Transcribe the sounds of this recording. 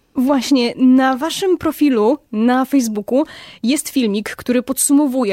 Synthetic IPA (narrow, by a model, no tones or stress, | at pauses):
vwaɕɲɛnavaʂɘmpɾɔfʲilunafɛjzbukujɛst̪fʲilmʲikːt̪uɾɘpɔt̪sumɔvujɛ